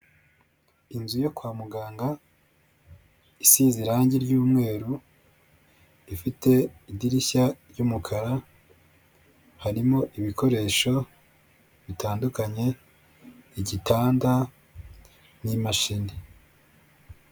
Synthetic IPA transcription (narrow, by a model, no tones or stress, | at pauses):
inzujo̞kwaːmuɡaːŋɡa | isiːziɾaːɲɟiɾɟuːmŋe̞ːɾu | ifite̞idiɾiçaɾɟumukʰaɾa | haɾimo̞ʔiβikʰo̞ɾe̞ːʃo̞ | βitaːndukaɲe̞ | iɟitaːnda | nimaʃini